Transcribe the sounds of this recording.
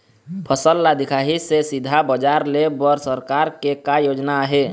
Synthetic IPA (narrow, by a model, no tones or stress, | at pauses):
pʰəsəlːad̪ɪkʰaːɦisesɪd̪ʱabəd͡ʒaːɾlebəɾsəɾkaːɾkekajoːd͡ʒnaɦe